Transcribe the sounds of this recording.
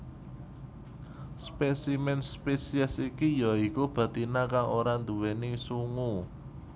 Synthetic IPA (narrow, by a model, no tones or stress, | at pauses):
spesimɛnspesiɛsikijaikub̥ä̤t̪inakaŋoɾand̪uwenisuŋu